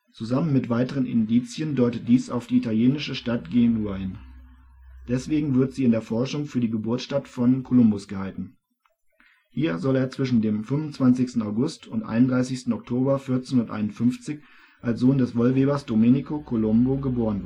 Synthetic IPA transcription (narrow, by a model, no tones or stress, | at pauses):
t͡suzamənmɪtv̥aɪtəʁ̞ənʔɪ̰ndiːt͡sjəndɔʏtət̚d̥iːsa̰ʊfd̥iːitaljeːnɪʃəʃtat̚ɡ̥enuɐɪn | d̥ɛsv̥eːɡŋ̩vɪɐtz̥iːɪndeːɐfɔɐʃʊŋfyːɐdiːɡəbʊɐtʃtatfɔnkʰolʊmbʊsɡ̥əhaltn̩ | hiːɐzɔleːɐt͡sv̥ɪʃn̩deːmfʏnvʊnt͡sv̥ant͡sɪçstn̩aʊɡʊstʰʊntʔa̰ɪnʊndʁaɪsɪçstn̩ɔk̚tʰoːbɐfɪɐt͡senʊtʔa̰ɪnʊnfʏnft͡sɪç | ʔalsz̥oːndɛsv̥ɔlveːbɐsd̥omenikokʰolʊmboɡəboːʁ̞ənv